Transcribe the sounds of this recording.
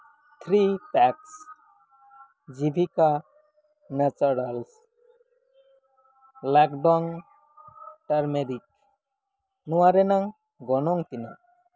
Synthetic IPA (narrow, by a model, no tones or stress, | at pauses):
t̪ʰɾiʈɛks | d͡ʒibʱika | nɛt͡ʃɔɾals | lakɖɔŋ | ʈaɾmɛɾik̚ | nɔwaɾɛnaŋ | ɡɔnɔŋt̪ina